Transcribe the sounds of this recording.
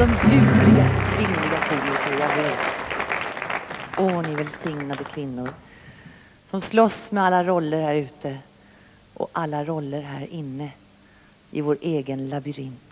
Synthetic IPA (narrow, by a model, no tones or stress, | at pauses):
d̪ɔmjʉ̟ːlɪɡaɾyːlɪɡak̪ʰiːmɪkəɾjaːveːt̪ | ʔoːnɪvɛlsɪŋnad̪əkʰvɪnːʊɾ | sɔmslɔsmɛalːaɾɔlːəɾhæːɾʉ̟ːt̪ə | ʔɔ̰ʔalːaɾɔlːəɾɦæːɾɪnːə | ʔɪvoːɾeːɡənlabʏɾɪnt̪